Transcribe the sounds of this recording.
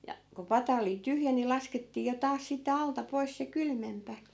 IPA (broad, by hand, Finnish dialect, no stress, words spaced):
jɑ ku pɑtɑ oli tyhjæ ni lɑsketːiː jo tɑːs sitːe ɑltɑ pois se kylmempæ